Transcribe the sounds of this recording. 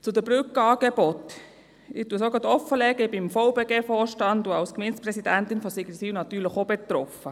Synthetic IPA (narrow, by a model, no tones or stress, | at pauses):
t͡sʊdəbɾʏkɑːɡ̥eb̥ɔtː | ɪtuəsoɡətɔfːəlɛɡəbɪmfoʊbeːɡeːfɔːʃtɑntduɑwskmɛnt͡sprɛsidæntɪnfɔsiɡisinɑtːyːləχobet̪rɔfə